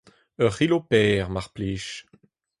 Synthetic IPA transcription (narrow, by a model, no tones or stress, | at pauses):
əʁilopɛːʁmaʁpliːʃ